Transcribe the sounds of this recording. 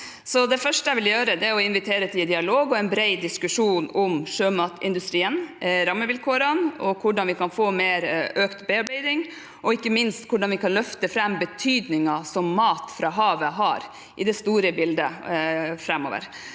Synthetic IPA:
sɔd̪ɛfœʂʈəjɛɪʋɪljøːɾəd̪ɛæɔɪnʋɪt̪ʰeːɾət̪ʰɪd̪ɪɑloːɡɔɛɪnbɾɛɪd̪ɪskʉʂuːnʊmʂøːmɑːt̪ɪ̰nd̪ʉst̪ɾiːənɾɑmːəʋɪlkʰoːɾɑnɔkʰʊɖɑnʋɪkɑnfoːmeːɾøːkt̪beːɑɾbæɪd̪ɪŋ | ʔɔɪkːəmɪnst̪kʰʊɖɑnʋɪkɑnlœft̪əfɾɛmbət̪ʰyːd̪nɪŋɑsɔmːɑːt̪fɾɑːɦɑːʋəɦɑːɾ | ʔɪd̪ɛst̪uːɾəbɪld̪ə | fɾɛmo̰ːʋə̰ɾ

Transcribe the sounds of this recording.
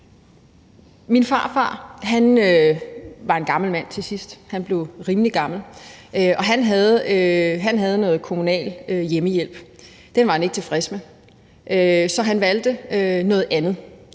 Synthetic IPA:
minfɑ̰̈ːfɑ̰̈ːɦænø | ʋɑ̈e̝nɡ̥ɑ̈ml̩mæn̰t͡sʰe̝sisd̥hænb̥le̝ʊʁiːməliɡ̥ɑ̈ml̩ʔøɒ̽ɦænɦæð̩ˠɦænɦæð̞̩ˠnɔ̽ːð̞̩ˠkʰo̝munɛ̰ːløjeməjel̰b̥ | d̥enʋɑ̈hæne̝ɡ̥ət͡sʰe̝fʁɛsme | ʔøsɒ̽ɦænʋæld̥əønɔ̽ːð̞̩ˠʔænð̩ˠ

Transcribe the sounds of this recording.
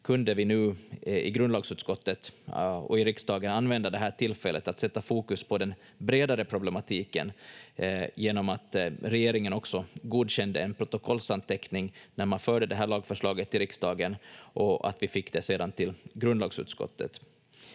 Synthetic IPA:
kʰɵnd̪əvɪnʉ̟ːɪ̰ɡɾɵnd̪lɑːɡsʉ̟ːt̪skɔt̪ːət̪ɔ̰ɪɾɪksd̪ɑːɡənanːvɛnd̪ad̪ɛɦæːʈʰɪlfɛlːət̪at̪sɛt̪ːafuːkɵspʰɔd̪ɛn | bɾeːd̪aɾəpʰɾʊblɛmat̪ʰiːkə̰n | jeːnɔmat̪ɾɛjeːɾɪŋənɔksɔɡuːd̪ɕɛnd̪ə̰ɛnpʰɾʊt̪ʊkʰɔlːsant̪ʰɛknɪŋnæɾmanfœːɖəd̪ɛɦæːɭɑːɡfœʂɭɑːɡət̪ʰːɪlɾɪksd̪ɑːɡənʔɔa̰t̪vɪfɪkːd̪ɛseːd̪ant̪ʰɪlɡɾɵnd̪ɑːɡsʉ̟̰ːt̪skɔ̰t̪ʰːə̰t̪

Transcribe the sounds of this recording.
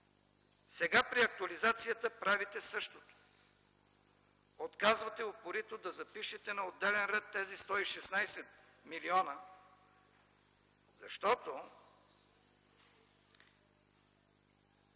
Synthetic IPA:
sɛɡapɾiɐk̚t̪uɐlizat̪sijət̪əpɾavit̪ɛsɤʃt̪ot̪o̥ | ot̪kazvɐt̪ɛopoɾit̪od̪ɐzɐpiʃɛt̪ɛnɐod̪ːɛlɛnɾɛt̪ːɛzist̪ɔiʃɛsnajsɛt̪ | miliɔnə | zɐʃt̪ɔt̪o

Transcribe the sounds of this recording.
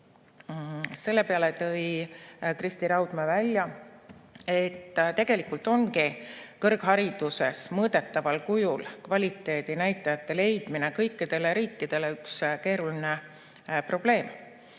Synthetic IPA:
se̞lːe̞pe̞ɑlet̪ɤ̞jkrist̪iɾɑwd̪̥mevælʲːjɑ | e̞t̪ːt̪e̞ɡ̥e̞likult̪ˑo̞ŋkikɤrɡ̥ɦɑɾid̪̥use̞̰smɤːd̪̥e̞t̪ːɑvɑlkujulkvɑlʲit̪ːˑe̞ːd̪̥inæjt̪ːˑɑjɑt̪ːe̞le̞jd̪̥mine̞kɤjkːid̪̥e̞leɾiːkːˑid̪̥e̞le̞ykske̞ːɾuline̞ | pro̞b̥le̞ːm

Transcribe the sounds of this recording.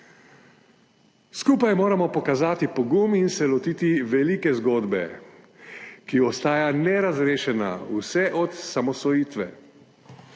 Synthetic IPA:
skuːpajmoːɾamɔpɔkazaːt̪ipɔɡuminsɛlɔt̪iːt̪iʋɛlikɛzɡoːd̪bɛ̰ | kiɔst̪aːjanɛɾazɾeːʃɛna̰usɛʔɔt̪samɔsɔjiːt̪ʋɛ̰

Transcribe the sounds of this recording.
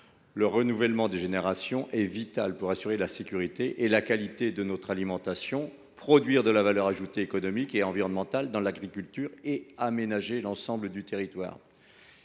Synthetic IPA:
ləʁənuvɛlmɑ̃d̪eʒeneʁasjɔ̃ʔɛvit̪alpuʁasyʁelasekʲyʁit̪eʔelakalit̪ed̪ənɔt̪χalimɑ̃t̪asjɔ̃ | pχɔd̪ɥiʁd̪əlavalœʁaʒut̪eːkɔnɔmikeɑ̃viʁɔnmɑ̃t̪ald̪ɑ̃laɡʁikʲylt̪yʁeamenaʒelɑ̃sɑ̃bləd̪yt̪eʁit̪wa̰ːʁ

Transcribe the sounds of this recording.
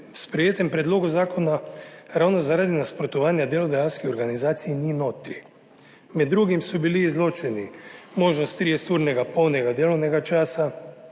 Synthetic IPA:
wspɾɛjeːt̪ɛmpɾɛd̪loːɡuzaːkɔnaɾawnɔzaɾad̪inaspɾɔt̪ɔʋaːnjad̪eːlɔd̪ɛjaːwskixɔɾɡanizaːt̪sijninoːt̪ɾi | mɛd̪ːɾuɡimsɔbiliːzloːt͡ʃɛnimoːʒnɔst̪ːɾijɛst̪uːɾnɛɡapɔwnɛɡad̪eːlɔwnɛɡat͡ʃaːsa

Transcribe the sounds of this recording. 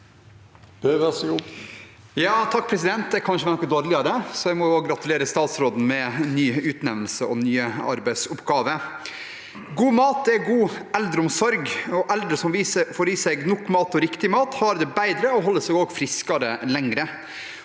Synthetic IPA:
b̥eʋɛs | jɑːt̪ʰɑk̚ːpʰɾɛsɪd̪ɛnt̪̚d̪ɛkʰɑnʂəʋænɔkːəd̪oːɾlɪɑd̪ɛsɔæɪmɔoɡɾɑt̪ʉleːɾəst̪ɑːt̪sɾoːd̪n̩mɛnːyːʉːt̪nɛʋlsəʔɔ̰nyːəɑ̰ɾbæɪsʊpɡɑːʋə | ɡuːmɑːt̪̚d̪ɛæɡuːɛld̪ɾəɔmsɔɾɡɔʔɛld̪ɾəsɔmʋiːsəfɔɾʋiːsɛɡnɔkːmɑːt̪ɔɾɪkt̪ɪmɑːt̪hɑɾd̪ɛbæɪd̪ɾəɔɦɔlːəsɛɡoːɡfɾɪskɑɾə̰lɛŋɾə

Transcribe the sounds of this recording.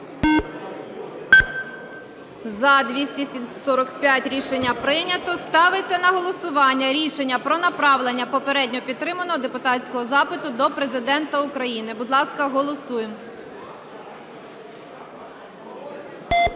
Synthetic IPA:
zɐd̪ʋʲisʲtʲisɔɾɔkpʲjatʲɾʲiʃenʲːɐpɾɪnʲɐt̪ɔst̪ɑʋet͡sʲːɐnɐɦɔlˠɔsʊʋɑnʲːɐɾʲiʃenʲːɐpɾɔnɐpɾɑʋlˠenʲːɐpɔpeɾɛdʲnʲɔpʲid̪t̪ːɾɪmɐnɔɦɔd̪epʊt̪ɑtt͡sʲkɔɦɔzɑpɪt̪ʊd̪ɔpɾe̞zɪd̪ɛnt̪ɐʊkɾɐjinɪbʊd̪lˠɑskɐɦɔlˠɔsujem

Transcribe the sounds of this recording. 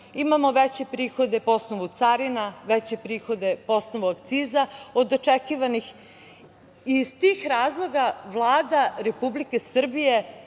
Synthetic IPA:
imamo̞ʋet͡ɕe̞pɾiːxo̞d̪epoosnoʋut̪saɾinaʋet͡ɕe̞pɾiːxo̞d̪e̞posnoʋuakt̪siːzaod̪ot͡ʂekiʋanix | izt̪iːxɾaːzlˠo̞ɡaʋlˠaːd̪aɾe̞publike̞sr̩bije̞

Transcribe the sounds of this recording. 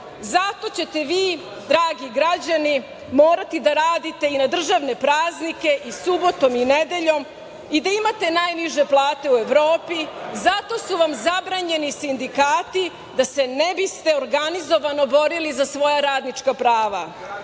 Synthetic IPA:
zat̪o̞t͡ɕe̞t̪e̞ʋiː | d̪ɾaːɡiɡɾad͡ʑani | mo̞ːɾat̪id̪aɾaːd̪it̪e̞inad̪r̩ʒaʋne̞pɾaːznike̞ʔisubo̞t̪o̞mined̪e̞ʎo̞m | id̪aimat̪e̞najniʒe̞plˠaːt̪e̞ue̞ʋɾoːpizat̪o̞suʋamzabɾaɲe̞nisind̪ikaːt̪i | d̪ase̞nebist̪e̞oɾɡanizo̞ʋano̞bo̞ɾilizasʋo̞jaɾaːd̪nit͡ʂkapɾaːʋa

